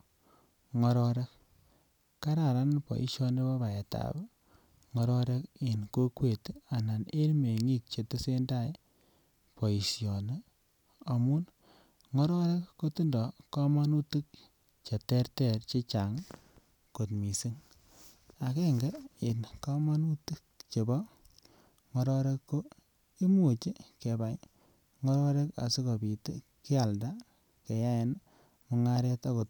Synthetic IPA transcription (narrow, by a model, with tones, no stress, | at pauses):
ŋɔ˨ɾɔɾe˦k | kːa˦ɾa˨ɾa˦npɔ̰˨ʔḭ˨ʃjɔ˦ne˦pa˦ba˨je˨ta̰˨b | ŋɔ˧ɾɔ˦ɾe˦ki˨nko˦kwe˨ta˨na˨ne˦lme˨ŋi˦k̚t͡ʃe˨tɨ˦se˦nda˦j | pɔ˨i˨sjɔ˨ne˦ | a˨mu˦n | ŋɔ˦ɾɔ˦ɾe˦kːo˦tu˦ndɔ˨ka˦ma˦nu˦tɨ˦k̚ | t͡ʃe˨tɛ˦rtɛ˨ɾt͡ʃe˦t͡ʃa˨ŋ | ko˨tmi˨si˦ŋ | a˨ke˦ŋɡe˦i˨nka˦ma˦nu˦ti˦k̚t͡ʃe˨bɔ˦ | ŋɔ˦ɾɔ˦ɾe˦kːo˦ | i˦mu˨t͡ʃi˦ke˨ba˨j | ŋɔ˦ɾɔ˦ɾe˦ka̰˨si˦ko˨bi˨te˦ | ki˦a˨lda˦ | ke˨ja˦e˨n | mʊ˨ŋa˦ɾe˦ta˦ko˨t̚